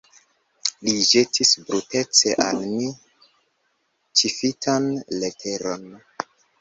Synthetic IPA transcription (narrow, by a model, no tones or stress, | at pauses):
liʒe̞tʰisbɾute̞t͡se̞ʔalmi | t͡ʃifitʰanletʰe̞ɾo̞n